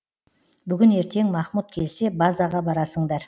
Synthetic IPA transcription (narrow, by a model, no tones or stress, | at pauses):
bʏɡʲɪne̞ɾt̪e̞ŋmɑχmut̪̚kʲʰe̞lse̞bɑzɑʁɑbɑɾɑsəɴd̪ɑɾ